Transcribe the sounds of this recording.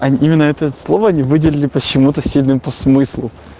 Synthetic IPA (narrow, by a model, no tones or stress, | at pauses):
ɐʔimʲɪnːəɛt̪əɛt̪slˠovəɐnʲivɨdʲɪlʲɪlʲɪpət͡ɕːɪmut̪əsʲilʲnɨmpəsmɨslˠʊ